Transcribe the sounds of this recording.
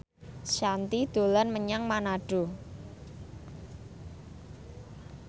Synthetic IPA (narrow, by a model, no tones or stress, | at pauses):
ʃant̪id̪̥o̤lanməɲaŋmanaɖ̥o̤